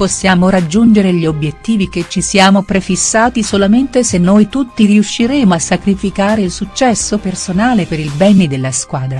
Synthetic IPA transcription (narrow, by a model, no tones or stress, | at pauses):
posːjaːmoɾad͡ʒːund͡ʒeɾeʎiobjet̪ːiːviket͡ʃːisiaːmopɾefisːaːt̪isolament̪esenːojt̪ut̪ːiriuʃːiɾeːmoasːakɾifikaːɾeilsut͡ʃːɛsːopersonaːlepeɾilbɛːnid̪elːaskwaːd̪ɾa